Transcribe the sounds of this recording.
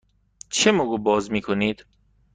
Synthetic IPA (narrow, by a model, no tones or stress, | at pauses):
t͡ʃʰemoɡubɒːzmiːkʰoniːd̪̥